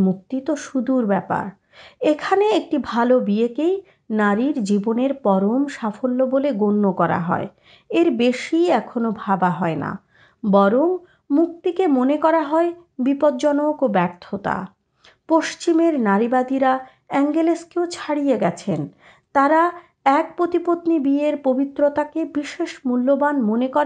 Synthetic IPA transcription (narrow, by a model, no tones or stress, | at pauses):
muk̚t̪it̪oʃud̪uɾbɛpa̰ɾ | ekʰaneek̚ʈibʱalobiekej | naɾiɾd͡ʑiboneɾpɔɾomʃafolːoboleɡonːokɔɾa̰ɦɔ̰e | eɾbeʃiɛkʰonobʱabaɦɔena̰ | bɔɾomː | uk̚t̪ikemonekɔɾaɦɔebipod̪d͡ʑɔnokobɛɾt̪ʰːot̪a̰ | poʃt͡ɕimeɾnaɾibad̪iɾa | ɛŋɡeleskeot͡ɕʰaɽijeɡɛt͡ɕʰen | t̪aɾa | ɛk̚pɾot̪ipot̪nibieɾpobit̪ːɾot̪akebiʃeʃmulːobanmonekɔɾ